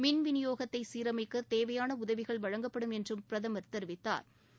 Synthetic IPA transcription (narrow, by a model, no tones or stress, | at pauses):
mɪnʋɪnɪjoːɣɐt̪ːɐɪsiːɾɐmɪkːɐt̪eːʋɐjaːnɐʊðɐʋɪɣɐɭʋɐɻɐŋɡɐpːɐɽɯmɛndrɯmpɪɾɐðɐmɐɾt̪ɛɾʋɪt̪ːa̰ːɾ